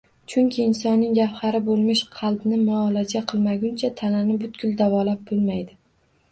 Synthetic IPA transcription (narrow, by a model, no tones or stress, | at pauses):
t͡ʃʰʊŋkʲʰɪːnsɒnːɪŋjafhɑɾɪbolˠmɪʃqʰɑlˠbnɪmʊɒlˠad͡ʒaqʰɨlˠmaɡʲʊnt͡ʃʰat̪ʰananɪbʊt̪̚ɡʲʊlˠd̪avɒlap̚bʊlˠmajd̪ɪ